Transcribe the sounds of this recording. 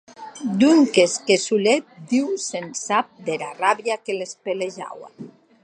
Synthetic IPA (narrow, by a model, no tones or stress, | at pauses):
d̪uŋkeskesulet̪̚d̪iwsensap̚d̪eɾaraβjakelespeleʒa̰wa̰